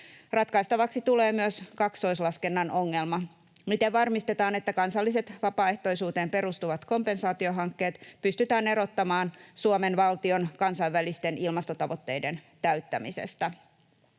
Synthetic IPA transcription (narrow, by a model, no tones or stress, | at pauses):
rɑt̪kɑjst̪ɑʋɑksit̪ule̞ːmyøskɑkst̪o̞jslɑske̞nːɑno̞ŋːe̞lmɑ | mit̪eʋʋɑrmist̪e̞t̪ɑːne̞t̪ːækɑnsɑlːise̞t̪ʋɑpɑːe̞ht̪o̞jsuːt̪e̞ːmpe̞ɾust̪uʋɑt̪ko̞mpe̞nsɑːt̪io̞ɦɑŋkːe̞ːt̪pyst̪yt̪æːne̞ɾo̞t̪ːɑmɑːnsuome̞nʋɑlt̪io̞nkɑnsɑjʋʋælist̪e̞nilmɑst̪ot̪ɑʋo̞t̪ːe̞jde̞nt̪æɥt̪ːæmisḛst̪æ